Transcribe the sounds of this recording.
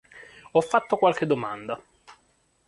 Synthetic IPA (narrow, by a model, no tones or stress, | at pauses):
ɔfːat̪ːokwalk̟ed̪ːomand̪a